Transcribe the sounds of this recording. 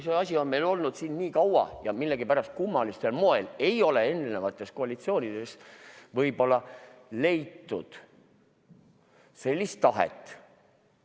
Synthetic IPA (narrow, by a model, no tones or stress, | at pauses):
seɑsʲionme̞jlo̞lnud̪̥sinnʲiːkɑwɑ̰jɑmilːeɡipæɾɑst̪̚kumːɑlist̪ːelmo̞e̞le̞jo̞le̞e̞nːnevɑt̪ːˑe̞sko̞ɑlʲit̪sio̞ːnʲid̪̥e̞svɤjbo̞lːɑle̞jt̪ːṵd̪̥ | se̞lʲːist̪ːɑɦḛt̪ːˑ